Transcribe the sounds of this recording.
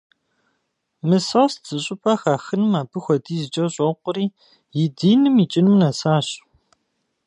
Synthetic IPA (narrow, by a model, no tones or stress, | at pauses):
mɨsosz̥ɨɕʼɪpʼɐxaːxɨnɨmaːbɨxʷɔdiːzɨt͡ʃʼɐɕʼɔqʷʊɾiː | jɪdiːnɨmit͡ʃʼɪnɨmnɐsaːɕ